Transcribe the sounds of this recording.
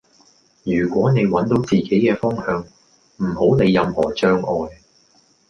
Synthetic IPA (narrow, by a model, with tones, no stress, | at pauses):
jyː˨˩kʷɔː˨˥ne˨˧jwɐ˨˥nt̪o˨˥wt͡siː˨ke˨˥jkɛː˧fɔː˥ŋhœː˨˧ŋ | m̩˨˩ho˨˥wne˨˧jːɐ˧mhɔː˨˩t͡ʃœː˥ŋɔː˨˧j